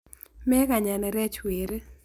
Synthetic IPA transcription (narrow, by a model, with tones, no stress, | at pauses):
mɛ˦ka˨ɲa˨nɛ˨ɾɛ˦t͡ʃwe˨ɾe˦